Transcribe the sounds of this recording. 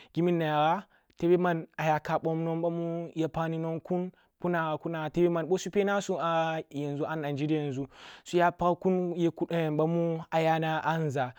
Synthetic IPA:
ɡʲi˦mi˦nːa˨ja˨ɾa˦ | te˦be˦ma˦na˨ja˨ka˨ɓo˦mno˦nɓa˦mu˦ja˨˦pa˦ni˦no˦nku˦n | pu˦na˨ɣa˨ku˦na˨a˨te˦be˦ma˨nɓo˦su˦pe˦na˦su˦a˨ja˨nzu˦ʔa˦na˨nd͡ʒi˦di˦je˨nzu˦su˦ja˦pa˦ku˦nje˨kɓa˦mu˦a˨ja˦na˦ʔa˦n˨za˨

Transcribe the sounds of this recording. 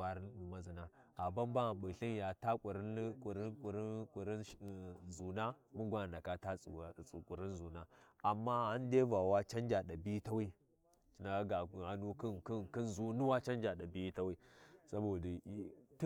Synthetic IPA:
a˨ɾi˦n˦u˨ma˦zi˨na˦a˨ba˦mba˦˨ɓɨ˨ɬi˦nja˨ta˦kʷʼu˨ɾi˦n˦ku˨ɾi˦kʼu˨ɾi˦kʷʼu˨ɾi˦nzu˨na˦mu˦ɡʷa˦n˨nda˨ka˦ta˦˨u˨kʷʼu˨ɾi˦nzu˨na˦a˨mːa˦a˦n˦de˦va˨wa˦t͡ʃa˦nd͡ʒa˨ɗa˨bi˦ta˦wi˦˨ | na˨a˦ɡa˨a˨nu˦ki˦nki˦nki˦nzu˦ni˦wa˦t͡ʃa˦n˦d͡ʒa˨ɗa˨bi˦ta˦wi˦sa˦bo˨da˨˦t

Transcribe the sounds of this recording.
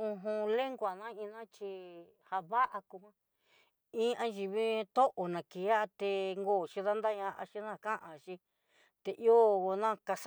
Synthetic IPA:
ũ˧ɦũ˧le˦ŋɡʷa˨nã˦ĩ˧nã˦t͡ʃi˧ | ha˧βa˦ʔa˧ku˧hʷã˦ | ĩ˦ʔã˦ʒi˧βi˦t̪o˦ʔo˨nã˨ki˨˦a˦˧t̪e˧ŋɡo˦˧˨t͡ʃi˧ða˦nd̪a˦ɲã˧ʔa̰˧ʃi˧nã˦˨kã˦ʔã˨ʃi˧ | t̪e˧ʔjo˦˨o˧nã˦ka˧s

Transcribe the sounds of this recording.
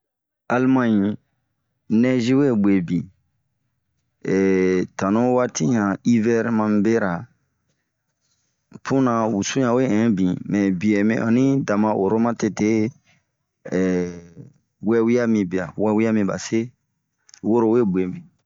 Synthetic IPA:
a˨lmã˦ɲĩ˨ | nɛ̃˦ʒi˦we˦bwe˨bĩ˨ | ɛ˨tã˨nõ˦wa˦ti˦ɲã˨i˦vɛ˦ɾmã˧mĩ˨be˦ɾa˨ | pũ˦nã˧wu˨sũ˦ɲã˨we˦ɛ̃˨˦bĩ˨mɛ̃˨bi˨ɛ˨mḭ̃˦ʔã̰˨nĩ˦da˨mã˧ʔo˨ɾo˦mã˦te˧te˦˨ | wɛ˦wi˦ja˦mĩ˧bi˨a̰˨wɛ˦wi˦a˦mĩ˧ba̰˨se˦ | wo˦ɾo˨we˦be˨mĩ˨

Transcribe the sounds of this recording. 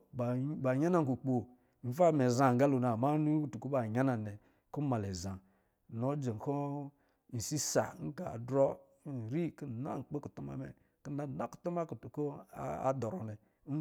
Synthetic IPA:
ba˨ba˨ɲa˦na˦ŋ˨ku˨k͡po˨ | m̩˨˦fa˦˨me˨za˨ɡa˦lo˨na˨ma˦nu˦u˦tu˨ko˦ba˨ɲa˦na˨nɛ˨ | ku˦ma˨le˨za˨ | no˦d͡ʒe˨ŋ˨ko˦ | n̩˨si˦sa̰˨˦ŋ̩˦ɡa˨dɾɔ˦˨ | ɾi˦ki˦˨na̰˦ŋ̩˨k͡po˦ku˨tu˦ma̰˨mɛ̰˨ | ki˦na˦˨na˦ku̥˨tu˦ma˦ku˨tu˨ko̰˦a̰˦dɔ˨ɾɔ˨nɛ˨˦

